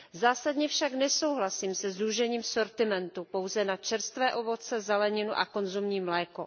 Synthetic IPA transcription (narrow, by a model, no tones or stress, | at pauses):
zaːsadɲɛfʃaknɛso̞wɦlasiːmsɛzɾuʒɛɲiːmso̞ɾt̪ɪmɛnt̪upo̞wzɛnat͡ʃɛɾst̪vɛːʔo̞vo̞t͡sɛzɛlɛɲɪnuʔa̰ko̞nzumɲiːmlɛːko